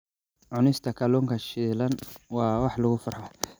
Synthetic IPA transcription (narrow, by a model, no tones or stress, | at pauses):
ʕʊnɪst̪ʰɐkʰɐlɔːŋkʰɐʃiːlɐnwɑːwɑħlʊɣʊfʊrħa